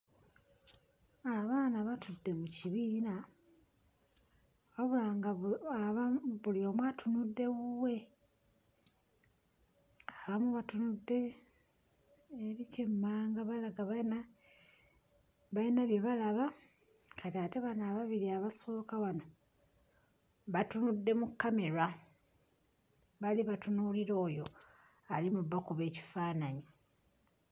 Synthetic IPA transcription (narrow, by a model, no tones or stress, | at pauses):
aβaːnaβatudːe̞muciβiːna | waβulaːŋɡaaβaβulio̞mwatʰunudːe̞ɣuwe̞ | aβamuβatunudːe̞ | eɾicemːaːŋɡaβalaɡaβna | βajinaβjeβalaβa | kʰatiateβanaβaβiɾiaβaso̞ːkaβano̞ | βatunudːe̞mukːame̞ɾa | βaliβatunuliɾo̞ːjo̞ | alimuβːakuβe̞ːci̥faːnaɲi